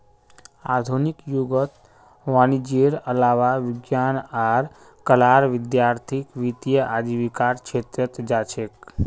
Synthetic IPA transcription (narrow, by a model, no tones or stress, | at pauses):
a̰d̪ʱunikjuɡət̪ | ʋaːnid͡ʒeɾəlaːʋaʋɪɡjanaɾ | kəlaːɾʋɪd̪jaːɾt̪ʰikʋit̪ijəʔad͡ʒ̪iʋikaɾt͡ʃʰet̪ɾət̪d͡ʒaːt͡ʃʰek